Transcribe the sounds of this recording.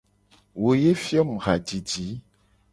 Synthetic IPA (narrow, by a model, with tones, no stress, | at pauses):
wo˨je˦fi˦ɔ˦m̩˨ɣa˨d͡ʒi˨d͡ʒi˨˦